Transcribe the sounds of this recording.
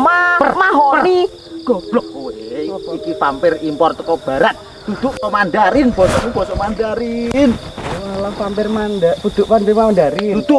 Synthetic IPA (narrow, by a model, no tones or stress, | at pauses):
mabərmaɦɔəni | ɡ̥ɔb̥lɔk̚kuweikifampɪrimpɔrt̪əkɔb̥a̤ɾat̪̚ | d̪̥ud̪̥ʊʔsɔmanɖaɾɪnb̥ɔsɔnib̥ɔsɔmandaɾinalamfampɪrmandapud̪̥ʊʔfanpimamandaɾid̥̪ʊ